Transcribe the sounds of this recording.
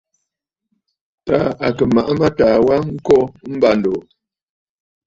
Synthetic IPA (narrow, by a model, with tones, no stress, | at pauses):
taː˨˦a˨kə˨ma˨ʔa˦ma˦taː˨wa˦ŋ̩˦kɔ˦m̩˦ba˦n̩˨do˨